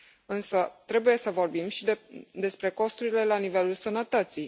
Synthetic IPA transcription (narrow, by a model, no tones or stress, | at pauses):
ɨnsət̪ɾe̞buje̞səvo̞rbimʃid̪d̪e̞spɾe̞ko̞st̪uɾile̞lanive̞lulsənət̪ət̪si